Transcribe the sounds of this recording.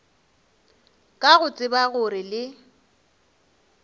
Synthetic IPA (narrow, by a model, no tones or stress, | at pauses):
kʼaɣʊt͡sʼɪbaɣʊɾɪlɪ